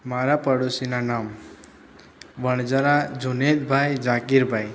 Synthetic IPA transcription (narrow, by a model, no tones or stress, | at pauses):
maɾapəɽusinanam | ʋəɳd͡zəɾad͡ʒunet̪bʱajd͡ʒãkiɾbʱaj